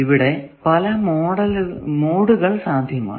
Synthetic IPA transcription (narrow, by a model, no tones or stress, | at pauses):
iʋiɽe | pɐlɐmoːɽɐlmoːɽuɣɐɭsaːd̪ʱjɐma̰ː